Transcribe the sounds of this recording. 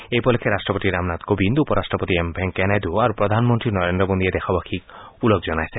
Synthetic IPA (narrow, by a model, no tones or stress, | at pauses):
ejpɔlekʰeɾasʈɾɔpot̪iɾamnat̪ɡobind̪upɔɾasʈɾɔpot̪iembʱeŋkɛnajd̪uaɾupɾɔd̪ʱanmɔnt̪ɾinɔɾend̪ɾɔmond̪ied̪ɛxʰɔbakʰikulɔkd͡ʒɔnajse